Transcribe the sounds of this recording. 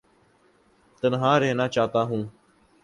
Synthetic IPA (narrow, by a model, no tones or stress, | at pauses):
t̪ənɦãːɾeːnaːt͡ʃaːɦt̪aːɦũː